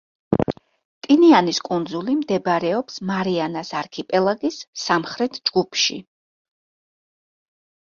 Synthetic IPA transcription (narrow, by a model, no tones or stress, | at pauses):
t̪ʼinianiskʼund̪zulimd̪ɛbɾɛɔpsmaɾianasaɾkʰipʼɛlˠaɡisːamχɾɛt̪ʰd͡ʒɡupʰʃḭ